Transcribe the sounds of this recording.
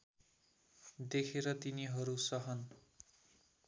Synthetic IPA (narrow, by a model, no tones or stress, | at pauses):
d̪ekʰeɾʌt̪iniɦʌɾusʌɦʌn